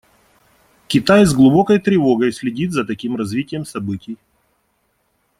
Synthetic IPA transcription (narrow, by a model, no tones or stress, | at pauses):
kʲɪt̪ajzɡlˠʊbo̞kəjt̪ɾʲɪvo̞ɡəjsʲlʲɪdʲit̪zɐt̪ɐkʲimrɐzvʲitʲɪjəmsɐbɨtʲɪj